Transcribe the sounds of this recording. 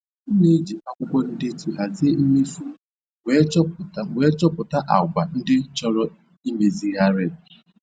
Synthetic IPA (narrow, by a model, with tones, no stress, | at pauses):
ne˦d͡ʒi˨ʔa˦kʷʊ˦kʷɔ˦n̩˦dɪ˦ti˨ɦa˨zi˦e˦i˦me˦su˦ | we˦t͡ʃwe˨˦t͡ʃɔ˦pʊ˨ta˦ʔa̰˨ɡʷa˨n̩˦dɪ˦t͡ʃɔ˦ɾɔ˦ | i˦me˨zi˦ɣa˦ɾe˨